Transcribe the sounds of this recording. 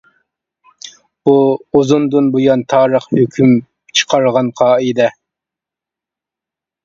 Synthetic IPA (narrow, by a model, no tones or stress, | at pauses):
b̥uozund̪unbujɑnt̪ʰɑːɾəχhøkʲʰym | t͡ʃʰə̥qʰɑɾəʁɑnqʰɑːid̪ɛ